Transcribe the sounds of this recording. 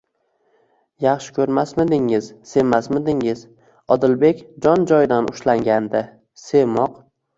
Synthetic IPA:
jɑχʃɪ̥kʲʰɵɾmasmɪd̪ɪŋɪz̥se̞masmɪd̪ɪŋɪz̥ | ɒd̪ɪlbe̞kʲd͡ʒɒnd͡ʒɒjd̪anʊʃlaŋɡʲand̪ɪ | se̞mɒq

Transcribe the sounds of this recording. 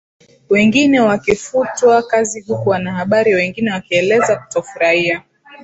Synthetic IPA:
wɛŋɡinɛwakifutwakazihukuwanahaɓaɾiwɛŋɡinɛwakiɛlɛzaku̥tɔfuɾaia

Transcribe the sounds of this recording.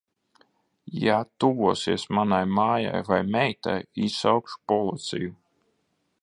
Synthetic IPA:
jat̪uvuɔsiɛsmanajmaːja̰jvajmʲɛjt̪a̰jisawkʃpɔlˠit̪sʲḭju

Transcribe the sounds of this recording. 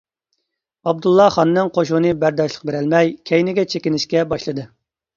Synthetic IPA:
ɑb̚d̪ulˠːɑχɑnːɨŋqʰoʃunɨbæɾd̪ɑʃlˠəq̚beɾælmɛjkʲʰɛjnɪɡʲɛt͡ʃʰekʲinɪʃkʲɛbɑʃlˠɨd̪ɨ

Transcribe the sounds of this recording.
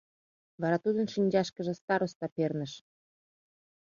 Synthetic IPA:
βɑɾɑt̪ud̪ənʃinʲd͡ʑɑʃkəʒə̆st̪ɑɾost̪ɑpernəʃ

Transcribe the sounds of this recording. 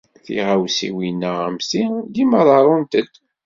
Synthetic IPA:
θḭʁawsḭwinːæəmsid̪iməðˤɑɾˤunt̪əd̪

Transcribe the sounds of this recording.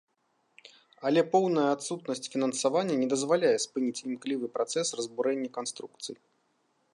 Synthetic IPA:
ɐlʲɛpɔwnɐjɐat̪sut̪nɐsʲt͡sʲfʲinɐnsavanʲːɐnʲɛd̪ɐzvalʲajɛspɨnʲit͡sʲimklʲivɨpɾat̪sɛsrɐzbuɾɛnʲːɐkanst̪ɾuk̚t̪sɨji

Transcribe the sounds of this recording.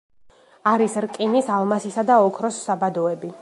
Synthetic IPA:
aɾisɾkʼinisalˠmasisad̪aɔkʰɾɔsːabad̪ɔɛbi

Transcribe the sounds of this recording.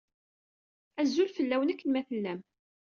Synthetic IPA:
æzːulfəlːæwənækːənmæθəlːæm

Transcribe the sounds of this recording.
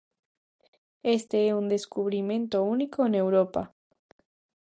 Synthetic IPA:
est̪eeund̪eskuβ̞ɾimẽnt̪ounikoenewɾopa̰

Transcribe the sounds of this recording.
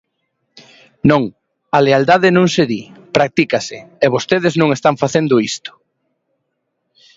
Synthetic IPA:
nõŋ | aleald̪aðenõŋseðipɾak̚t̪ikasɪeβost̪eðɪznõŋest̪aɱfaθend̪ʊist̪ʊ̥

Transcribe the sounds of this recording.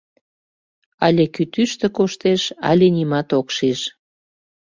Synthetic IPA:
ɑlʲekyt̪yʃt̪ĕkoʃt̪eʃɑ̰lʲenimɑt̪okʃiʃ

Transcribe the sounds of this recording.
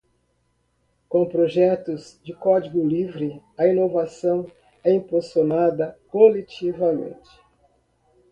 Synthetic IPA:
kõpɾoʒɛt̪ʊzd͡ʒɪkɔd͡ʒiɡʊlivɾɪɐinovasɐ̃w̃ | ɛĩposonad̪ɐkolet͡ʃivɐmḛ̃nt͡ʃɪ̥

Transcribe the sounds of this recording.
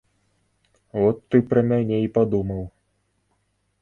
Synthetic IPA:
vɔt̪ːɨpɾɐmʲanʲeipad̪umɐw

